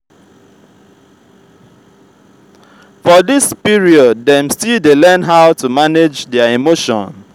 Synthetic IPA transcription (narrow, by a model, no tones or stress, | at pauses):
fɔdispiɹiɔd̚ːɛ̃mstidelɛnɦaʊtumaned͡ʒdɛaimoʃɔ̰̃n